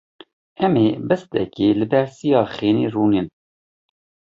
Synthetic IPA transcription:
ɛmeːbɛst̪ɛ̰keːlɨbɛɾsijɑːxeːniːruːnin

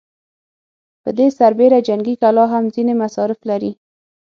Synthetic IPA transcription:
pə̰d̪esaɾbeɾad͡ʒaŋɡikalɑɦamzinemasɑɾɪflaɾi

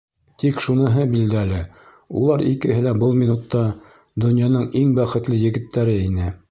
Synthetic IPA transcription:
t̪ikʃunɤ̆ɦɤbild̪ælɘ | ulˠɑɾḭkɘ̆ɦɘlæbɤlˠminut̪ːɑ | d̪ɵ̆njɑnɤɴiŋbæχɘ̆t̪lɘjɘ̆ɡɘ̆t̪ːæɾɘinɘ

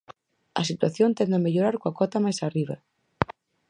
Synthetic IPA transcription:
ɐsit̪waθjont̪end̪emeʎoɾaɾkwakɔt̪amajsariβ̞ɐ

